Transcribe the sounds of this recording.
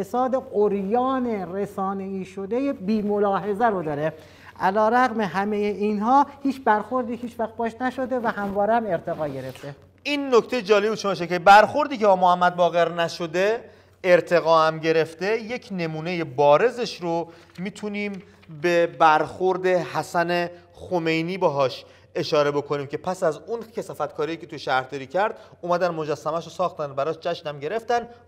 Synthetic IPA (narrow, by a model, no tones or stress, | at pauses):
esɒːd̪e̞ɢoɾjɒːneɾesɒːne̞iːʃod̪ejebiːmo̞lɒːɦe̞zæɾod̪ɒːɾe | ʔælɒːɾæɣmeɦæmejeʔiːnhɒːhiːt͡ʃʰbæɾxo̞ɾd̪iːhiːt͡ʃvæxt̪̚bɒːʃnæʃo̞d̪e̞væhæmvɒːɾeæme̞ɾt̪ʰe̞ɣɒːɟe̞ɾe̞ft̪e̞ | iːnːocʰt̪ejed͡ʒɒːlebuʃomɒʃekʰebæɾxo̞ɾd̪iːcʰebɒːmohæmːæd̪̚bɒːɣe̞ɾnæʃod̪e | eɾt̪ʰe̞ɣɒːhæmɟe̞ɾe̞ft̪e̞je̞cʰne̞muːne̞je̞bɒːɾe̞ze̞ʃɾo | miːt̪ʰuniːm | be̞bæɾxoɾd̪e̞hæsæne̞ | xome̞jniːbeɦɒːʃ | e̞ʃɒːɾe̞bo̞kʰoniːmcʰe̞pʰæsæzuncʰesɒːfæt̪kʰɒːɾijicʰet̪ujeʃæɾhd̪ɒːɾiːcʰæɾd̪ | umæd̪ænmo̞d͡ʒæsːæmæʃosɒːxt̪ænbæɾɒːʃd͡ʒæʃnæmɟe̞ɾe̞ft̪æn